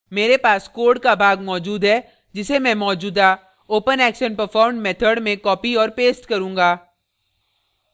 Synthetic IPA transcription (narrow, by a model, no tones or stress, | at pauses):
meːɾepaːskoːɾɖkabʱaːɡmɔːd͡ʒuːd̪ɦɛ | d͡ʒɪsemɛ̃mɔːd͡ʒuːd̪aː | oːpənɛːkʃənpəɾfɔːɾmɖmɛːt̪ʰəɖmẽkɔːpiɔːɾpeːsʈkɐɾũːŋɡaː